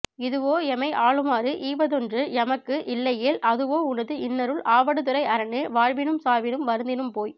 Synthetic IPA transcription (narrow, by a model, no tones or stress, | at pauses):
ɪðɯʋoːɛmɐɪʔaːɭɯmaːɾɯʔiːʋɐðɔndrɯɛmɐkːɯʔɪlːɐjɪːlʔɐðɯʋoːʊnɐðɯɪnːɐɾɯɭʔaːʋɐɽɯt̪ɯɾɐɪɐɾɐɳɯʋaːɻʋɪnɯmsaːʋɪnɯmʋɐɾɯnd̪ɪnɯmpoːj